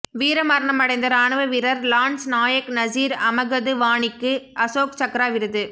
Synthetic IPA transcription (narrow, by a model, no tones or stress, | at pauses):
ʋiːɾɐmɐɾɐɳɐmɐɽɐɪnd̪ɐɾaːɳɯʋɐʋɪɾɐɾlaːɳsnaːjɐknɐsiːɾɐmɐɣɐðɯʋaːɳɪkːɯɐsoːkt͡ʃɐkɾaːʋɪɾɯðɯ